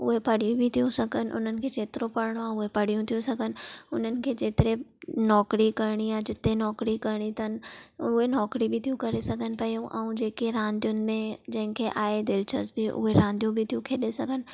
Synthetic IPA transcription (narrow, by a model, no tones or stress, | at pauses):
ʊɦepɐɽ̤ijũbʱɪt̪ʰijũsɐɡʱənɪ̆ʔʊ̰n̤ənɪ̆kʰeːd͡ʒeːt̪ɪɾopɐɾɽ̃oaʊɦepɐɽ̤ijũt̪ʰijũsɐɡʱənɪ̆ʊn̤ənɪ̆kʰeːd͡ʒeːt̪ɪɾenɔːkɾikɐɾɽ̃iaːd͡ʑɪt̪enɔːkɾikɐɾɽ̃it̪ʰɐnɪ̆ʊɦenɔːkɾibʱɪt̪ʰijũkɐɾesɐɡʱənɪ̆pɐijũʔɛ̰̃ũd͡ʑeːkeɾãːnd̪ijʊnɪ̆mẽd͡ʑɐ̃ɦɪ̃kʰeʔaːed̪ɪlt͡ʃʰə̰sbɪʔʊ̰ɦeɾãːnd̪ʱijũbʱɪt̪ʰijũkʰeːɗesɐɡʱənɪ̆